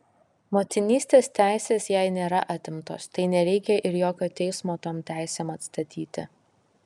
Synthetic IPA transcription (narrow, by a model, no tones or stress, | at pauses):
moːt̪ʲɪnʲiːsʲt̪ʲeːst̪ʲæˑɪsʲeːsjɛɪnʲeːɾɐʔɑːt̪ʲɪmt̪o̰ːst̪ɐɪnʲɛɾʲɛɪkʲɛʔɪɾjoːkʲoːt̪ʲɛɪsmoːt̪oːmt̪ʲæˑɪsʲeːmɐt̪st̪ɐt̪ʲiːt̪ʲɪ̰